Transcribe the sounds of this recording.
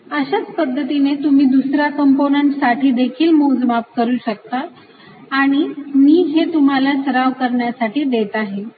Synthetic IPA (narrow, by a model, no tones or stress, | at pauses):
əɕat͡spəd̪ʱːət̪inet̪um̤iːd̪usɾjakəmponəɳʈsaʈʰiːd̪ekʰiːlmod͡zmap̚kəɾuːɕək̚t̪aː | ɽ̃imiːɦet̪um̤alasəɾaʋkəɾɳjasaʈiːd̪et̪aɦe